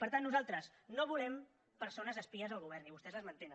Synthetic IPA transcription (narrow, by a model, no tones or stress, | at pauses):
pəɾt̪anːuzalˠt̪ɾəznoβulɛm | pəɾsonəzəspiəzəlˠɣuβ̞ɛrniβust̪ɛzləzmənt̪enə